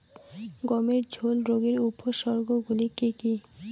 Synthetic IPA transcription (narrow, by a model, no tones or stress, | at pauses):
ɡɔmeɾd͡ʑʱolɾoɡeɾupʰoʃɔɾɡoɡulikiki